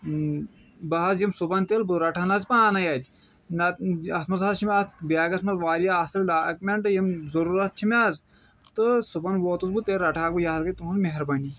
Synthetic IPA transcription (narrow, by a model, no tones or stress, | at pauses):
bɐɦɐzjimsupɐnt̪elbuɾɐʈʰaːnɐzpaːnajad̪ʲ | nɐt̪ɐsmɐzazt͡ʃʰimʲaːt̪ʰbaːɡɐsmɐzʋaːɾjaːsɐlʲɖaːkmʲeɳʈɨjimzɐɾuːɾɐt̪̚t͡ʃʰimʲaːz | t̪ɨsupɐnʋoːt̪uzbut̪eːɾɐʈʰaːk̚bɨjaɦzkɐt̪uɦunzmeɦɐɾbɐni